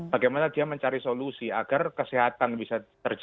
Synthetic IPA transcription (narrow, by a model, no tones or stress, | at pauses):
b̥aɡejmanad̪iaməɲt͡ʃaɾisolusia̰ɡarkəseɦat̪anbisat̪ərd͡ʒ